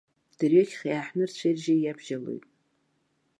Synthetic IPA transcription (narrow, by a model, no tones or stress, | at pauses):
d̥ɨrjokʲχjaːħnɨrt͡ɕʷʰerʒajabʒalo̰jtʼ